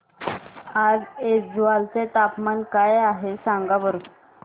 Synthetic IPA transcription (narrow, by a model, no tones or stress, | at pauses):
ad͡zed͡zʋalt͡set̪apmankajaɦesãŋɡabəɾuːn